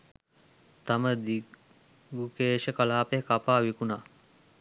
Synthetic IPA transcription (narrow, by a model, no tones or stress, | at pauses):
t̪aməd̪i | ɡukeːʃəkalaːpeɦkapaːʋikuna